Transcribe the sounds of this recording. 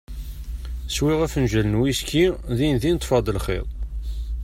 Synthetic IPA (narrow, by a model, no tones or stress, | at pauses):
swiʁæfənʒælənwiskiðinðint̪ˤːfɑd̪ˤəlχḛðˤ